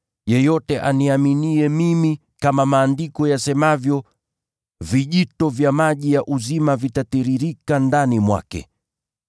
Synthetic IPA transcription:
jɛjɔtɛʔaniaminiɛmimi | kamamaːndikɔjasɛmavjɔ | viʄitɔvjamaʄijaʔuzimavitatiɾiɾikandanimwa̰kɛ̰

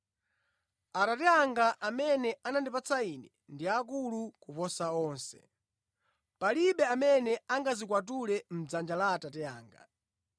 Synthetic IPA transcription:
atatɛjaŋɡaʔamɛnɛanandipat͡sainɛ | ndiak̬ulukupɔsaɔːnsɛ̰ | paliɓɛamɛnɛaŋɡazikwat̬ulɛm̩d͡zand͡ʒalatatɛaːŋɡa̰

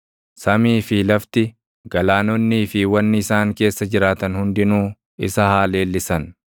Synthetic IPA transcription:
sɐmiːfɪlɐft̪ɪ | ɡɐlaːnɔnːiːfɪwɐnːɪɪsaːŋke̞ːsːɐd͡ʒɪɾaːt̪ɐnhʊnd̪ɪnuː | ɪ̰sɐhaːle̞ːlːɪsɐn

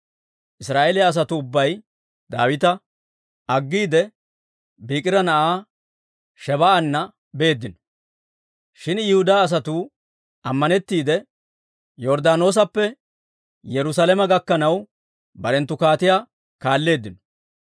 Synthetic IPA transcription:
ʔɪsɾaːʔelɪaːs̬ɐt̪ʊːbːɐj | d̪aːwɪt̪ɐ | ʔɐɡːiːd̪ɛ | biːkʼɪɾɐnɐʔaː | ʃɛβɐʔɐnːɐ | be̞ːd̪ːɪnɔ | ʃɪnjɪhʊd̪aːs̬ɐt̪uː | ʔɐmːɐnɛt̪ːiːd̪ɛ | jɔɾd̪aːno̞ːs̬ɐpːɛ | jɛɾʊsalɛmɐɡɐkːɐnɐw | bɐɾɛnt̪ːʊkaːt̪ɪjaː | kaːlːe̞ːd̪ːɪnɔ̥

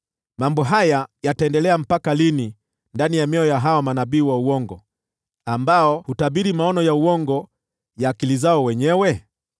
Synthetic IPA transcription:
mambɔɦajajataɛndɛlɛam̩pakalini | ndanijamɛɔjaɦawamanabiːwauwɔŋɡɔ | ambaɔhutabiɾimaɔnɔjauwɔŋɡɔ | jaːkilizaɔwɛɲɛwɛ

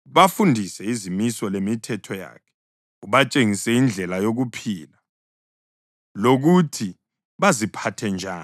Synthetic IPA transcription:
βafundʱisɛizimisɔlemitʰɛtʰɔja̰ːkʰɛ̥ | uβat͡ʃʼeŋisɛind͡ɮʱɛlajoɣupʰiːla | loɣutʰi | βazipʰatʰɛnd͡ʒʱaː

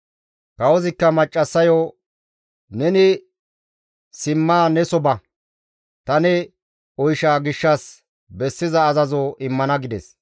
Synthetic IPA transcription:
kɐwɔzɪkːɐmɐt͡ʃʼːɐsːɐjɔ | nɛnɪ | sɪmːaːnɛsɔbɐ | t̪ɐnɛ | ɔjʃaːɡɪʃːɐs | bɛsːɪzɐːzɐzɔʔɪmːɐnɐɡɪd̪ɛs

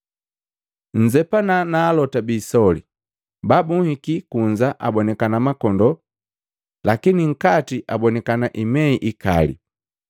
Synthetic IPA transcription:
ɲ̩d͡ʒɛpananaːlɔtabiːsɔli | babuŋhikikuɲd͡ʒaʔabɔnɛkanamakɔndɔ | lakiniŋ̩katiʔabɔnɛkanaʔimɛiʔika̰lḭ

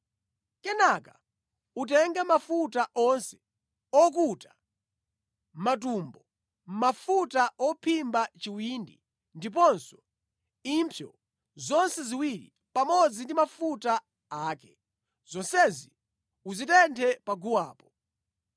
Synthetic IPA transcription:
kɛnaka | ut̬ɛŋɡamafutaʔɔnsɛ̥ | ɔk̬utḁ | mat̬umbɔ | m̩mafutaʔɔpʰimbat͡ʃiwindḭ | ndip̬ɔnsɔ̥ | impʰjɔ̰ | zɔnsɛziwiɾḭ | pamɔd͡zindimafuta | aːkɛ | z̥ɔnsɛzi | uzitɛntʰɛpaɡuwaːpɔ

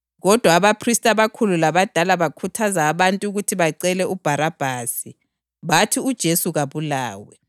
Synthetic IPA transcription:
ɣɔd̥ʱwaːβapʰristʼaβakʰululaβad̥ʱalaβakʰutʰazaːβantʼuɣutʰiβaǀɛlɛʔub̥ʱaɾab̥ʱaːsi | βatʰiud̥ʒ̥ʱesuɣaβulaːwɛ

